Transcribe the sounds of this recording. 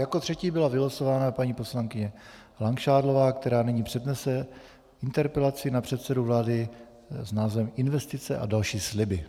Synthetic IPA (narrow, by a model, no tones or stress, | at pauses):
jakot̪r̝̥ɛciːbɪlavɪlasovaːnapaɲiːpo̞slaŋkɪɲɛ | laŋkʃaːdlo̞vaːkt̪ɛɾaːnɛɲiːpr̝̥ɛdnɛsɛ | ʔɪnt̪ɛɾpɛlat͡sɪnapr̝̥ɛt̪sɛduvlaːdɪ | znaːzvɛmʔɪnvɛst̪ɪt͡sɛʔa̰dalʃiːslɪbɪ